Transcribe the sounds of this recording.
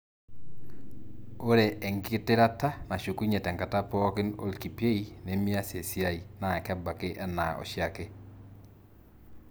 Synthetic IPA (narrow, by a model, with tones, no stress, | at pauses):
o˦ɾɛ˨ʔɛ˨ŋɡɪ˦tɪ˦ɾa˦ta˦na˨ʃu˨ku˦ɲe˨tɛ˨ŋka˨ta˦pɔ˦kɪ˦no̰˦˨lki˨pe˦i˦ne˨˦mi˦a˦se˨si˦a˦i˨na˨ɛ˨kɛ˦ba˨ke˦ʔɛ˦na̰˨ɔ̰˨ʃja˦ke˦